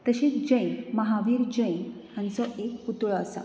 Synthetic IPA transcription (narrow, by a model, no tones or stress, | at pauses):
t̪əɕiːt͡sd͡ʑə̃jməɦaʋiːɾd͡ʑəjn | jãnt͡sɔʔekut̪ɭəːsa̰